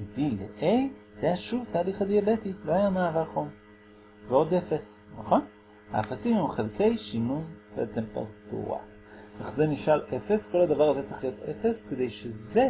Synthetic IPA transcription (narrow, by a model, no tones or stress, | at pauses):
d̪ilḛʔej | zeaʃuvt̪aːliχad̪iabet̪ilo̞hajanaːvaχo̞m | veod̪efes | naχo̞n | ha̰ːfasimhɛmχelke̞jʃinunb̥eʔet͡se̞mpa̰ʁt̪ṵʁa̰ | eχzeniʃale̞fe̞sko̞lad̪avaʁazet͡siχlijo̞t̪efeske̞d̪ejʃeze